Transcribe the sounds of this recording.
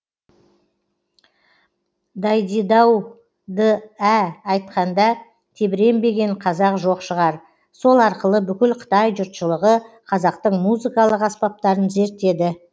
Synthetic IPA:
d̪ɑjd̪ijd̪ɑw | d̪əæːjt̪̚qɑnd̪ɑ | t̪ʰe̞bɪɾe̞mbe̞ɡʲe̞ɴqʰɑzɑqʒo̞qʃəʁɑɾ | so̞lˠɑɾqəlˠəbʏkʲɪlqʰə̥t̪ɑjʒʊɾt̪ʃəlˠəʁəqʰɑzɑq̚t̪əɴmuzɨkɑlˠəqɑspɑp̚t̪ɑɾənze̞ɾt̪ːe̞d̪ɪ

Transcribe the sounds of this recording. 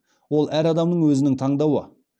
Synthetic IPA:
wo̞lˠʔæɾɑd̪ɑmd̪əɴwɵzɪnɪŋt̪ʰɑɴd̪ɑwə̰

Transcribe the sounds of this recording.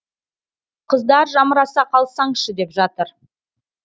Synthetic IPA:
qʰəzd̪ɑɾʒɑməɾɑsɑqʰɑlˠsɑɴʃəd̪e̞pʒɑt̪əɾ

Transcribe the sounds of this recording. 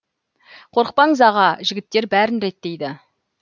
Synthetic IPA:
qʰo̞ɾəq̚pɑɴəzɑʁɑʒɪɡʲɪt̪ːe̞ɾbæɾɪnɾe̞t̪ːe̞jd̪ɪ

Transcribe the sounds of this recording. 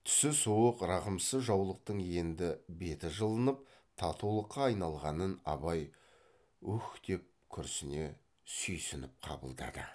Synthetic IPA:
t̪ʰʏ̥sɪsuəqɾɑʁəmsəzʒɑwlˠəq̚t̪əɴje̞nd̪ɪbe̞t̪ɪʒəlˠənəp̚ | t̪ʰɑt̪ʰuwlˠəqːɑːjnɑlˠʁɑnənɑ̰bɑj | ɵxt̪e̞p̚kʲʰʏɾsɪne̞ | sʏjsɪnɪp̚qʰɑ̰bə̰lˠd̪ɑ̰d̪ə̰

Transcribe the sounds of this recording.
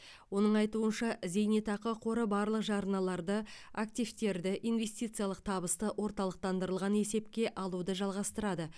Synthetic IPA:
wo̞nəɴɑjt̪uənʃɑze̞jnet̪ɑqəqʰo̞ɾəbɑɾlˠəqʒɑɾənɑlˠɑɾd̪əakt̪ijvt̪e̞ɾd̪ɪʔijnve̞st̪ijt̪sɨjɑlˠəq̚t̪ʰɑbəst̪əwʔo̞ɾt̪ɑlˠəq̚t̪ɑnd̪əɾəlˠʁɑne̞se̞pkʲe̞ʔɑlˠud̪əʒɑlˠʁɑst̪əɾɑd̪ə

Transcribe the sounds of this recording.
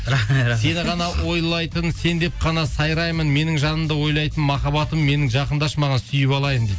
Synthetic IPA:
se̞nʁɑnɑwo̞jlˠɑjt̪ənse̞nd̪e̞p̚qʰɑnɑsɑjɾɑjmənme̞nɪŋʒɑnəmd̪əwo̞jlˠɑjt̪ənmɑχɑβɑt̪əmːe̞nɪŋʒɑqənd̪ɑʃmɑʁɑnsʏjɪpɑlˠɑjəmd̪e

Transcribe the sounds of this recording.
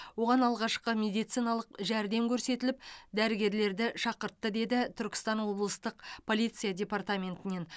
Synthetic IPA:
wo̞ʁɑnɑlˠʁɑʃqəmʲe̞d̪ijt̪sijnɑlˠəqʒæɾd̪e̞mkʲʰɵɾse̞t̪ɪlɪp̚d̪æɾɪɡʲe̞ɾle̞ɾd̪ɪʃɑqəɾt̪ːəd̪e̞d̪ɪt̪ʰʏɾkʲɪ̥st̪ɑnwo̞blˠəst̪əqpʰo̞lʲijt̪sɨjadʲe̞part̪amʲe̞nt̪ɪne̞n

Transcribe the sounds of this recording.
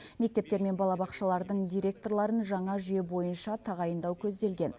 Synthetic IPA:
me̞k̚t̪e̞p̚t̪e̞ɾme̞nbɑlˠɑbɑqʃɑlˠɑɾd̪əɴd̪ʲijɾʲe̞k̚t̪o̞rlˠɑɾənʒɑɴɑʒʏje̞bo̞jənʃɑt̪ʰɑʁɑjənd̪ɑwkʲʰɵzd̪e̞lɡʲe̞n

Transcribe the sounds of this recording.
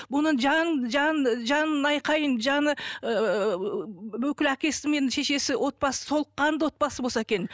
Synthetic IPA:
bʊnəɴʒɑʒɑʒɑnənɑjqɑjənʒɑnəə | wɵkʲɪlækʲe̞sɪme̞nʃe̞ʃe̞sɪwʔo̞t̪̚bɑsə̥so̞lˠəqːɑnd̪əwo̞t̪̚bɑsəbosɑekʲe̞n

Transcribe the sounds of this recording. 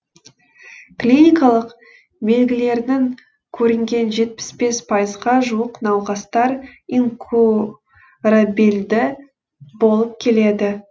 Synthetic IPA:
klʲinʲijkɑlˠəq | be̞lɡʲɪle̞ɾnɪŋ | kʲʰɵɾɪŋɡʲe̞nʒe̞t̪̚pɪ̥sbe̞spʰɑjəzʁɑʒuəqnɑwʁɑst̪ɑɾiŋkʰu | ɾabild̪ɪ | bo̞lˠəp̚kʲʰe̞le̞d̪ɪ

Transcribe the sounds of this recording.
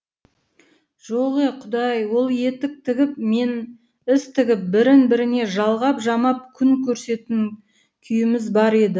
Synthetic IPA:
ʒ̥oʁeqʰʊd̪ɑjwo̞lˠje̞t̪ɪk̚t̪ʰɪɡʲɪp̚men | ɪst̪ʰɪɡʲɪp̚bɪɾɪnbɪɾɪne̞ʒɑlˠʁɑpʒɑmɑp̚kʲʰʏŋkʲʰɵɾse̞t̪ɪŋ | kʲʰʏjɪmɪzbɑɾe̞d̪ɪ

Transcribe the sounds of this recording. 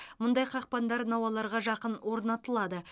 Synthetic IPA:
mʊnd̪ɑjqʰɑq̚pɑnd̪ɑɾnɑwɑlˠɑɾʁɑʒɑqənwo̞ɾnɑt̪əlˠɑd̪ə

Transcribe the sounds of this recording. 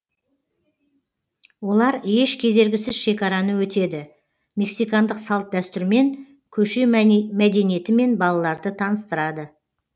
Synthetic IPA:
wo̞lˠɑɾje̞ʃkʲʰe̞d̪e̞ɾɡʲɪsɪzʃe̞kʲɑɾɑnəwɵt̪e̞d̪ɪ | me̞ksijkand̪əqsɑlˠt̪̚d̪æst̪ɪɾme̞ŋ | kʲʰɵʃe̞mæd̪e̞nije̞t̪ɪme̞nbɑlˠɑlˠɑɾd̪ət̪ʰɑnəst̪əɾɑd̪ə

